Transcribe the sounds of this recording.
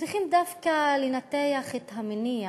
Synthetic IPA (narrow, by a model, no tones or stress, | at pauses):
t͡sʁiχimd̪afkalenat̪ejaχethamenia